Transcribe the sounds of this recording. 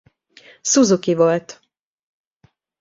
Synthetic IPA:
suzukivolt̪

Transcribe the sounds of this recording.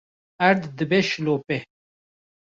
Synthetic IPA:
ɐɾd̪d̪əbeɕloːpe

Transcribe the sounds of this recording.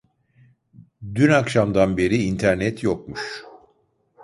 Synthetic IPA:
d̪ynakʃamd̪anbe̞ɾiːnt̪ʰæɾnɛt̪ʰjok̚muʃ

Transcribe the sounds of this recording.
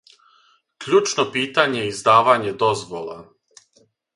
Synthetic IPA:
kʎuːt͡ʃnopiːt̪aɲeizd̪aːʋaɲed̪ozʋolˠa̰

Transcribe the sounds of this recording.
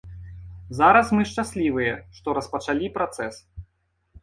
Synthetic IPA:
zaɾɐsmɨʂt͡ʂasʲlʲivɨjɛʂt̪ɔɾɐspɐt͡ʂalʲipɾat̪sɛs

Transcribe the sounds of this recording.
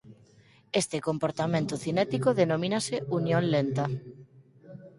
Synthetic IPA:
est̪ekompoɾt̪amẽnt̪uθinɛt̪ikoðenomĩnaseunjõnlent̪a

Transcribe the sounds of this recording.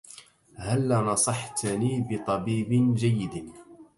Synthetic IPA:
halːanɑsˤɑħt̪niːbɪt̪ˤɑbiːbɪnd͡ʒajːɪd̪

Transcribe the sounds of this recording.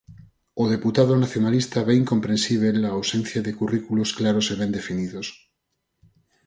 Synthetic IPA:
oðeput̪aðonaθjonalist̪aβeiŋkompɾẽnsiβ̞elaːwsẽn̟θjaðekurikulosklaɾoseβend̪efiniðos

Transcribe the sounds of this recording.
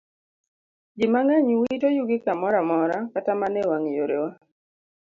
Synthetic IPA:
d͡ʒɪmaŋaɲwitojuɡɪkamɔɾamɔɾakatamanɛwaŋjoɾḛwa

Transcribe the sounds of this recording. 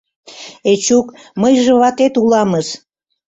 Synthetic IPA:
et͡ɕukməjʒə̆βɑt̪et̪ulɑməʃ

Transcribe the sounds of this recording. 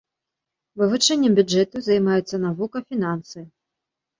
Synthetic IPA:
vɨvut͡ʂɛnʲːɛmbʲud͡ʐɛt̪uzɐjmajɛt̪sːɐnavukɐfʲinansɨ

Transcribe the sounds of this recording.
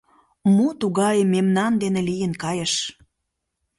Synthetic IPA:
mut̪uɣɑjəmemnɑnd̪enĕlijənkɑjə̆ʃ

